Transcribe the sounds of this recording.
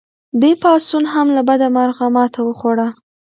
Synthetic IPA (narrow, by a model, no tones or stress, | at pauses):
d̪epɑsunɦamlabad̪amaɾɣamɑt̪ʰawəxoɽa